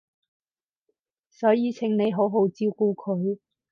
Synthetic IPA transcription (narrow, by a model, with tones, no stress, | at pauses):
sɔː˨˥jiː˨˧t͡sʰɪ˨˥ŋne˨˧jɦo˨˥wɦo˨˥wt͡siː˧˥˧wkuː˧kʰɵ˨˧ɥ